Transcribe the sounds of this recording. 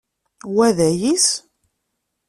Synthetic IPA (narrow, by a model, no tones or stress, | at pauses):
wæðæjis